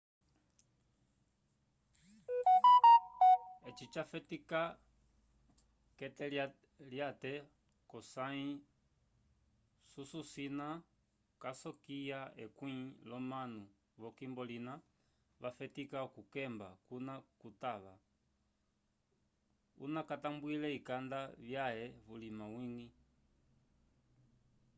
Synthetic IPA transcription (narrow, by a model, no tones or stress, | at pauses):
ɛt͡ʃit͡ʃafɛtika | kɛtɛ | ljatɛ | kɔsaĩ | sususina | kasɔkijaɛ̰kwĩlɔmanu | βɔkimbɔlina | βafɛtikaɔkukɛmbakunakutaβa | ṵnakatambuilɛikandaβjaɛβulimawiŋɡi